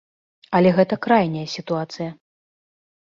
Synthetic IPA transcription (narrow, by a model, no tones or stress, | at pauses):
ɐlʲɛɣɛt̪ɐkɾajnʲɐjɐsʲit̪uat̪sɨjɐ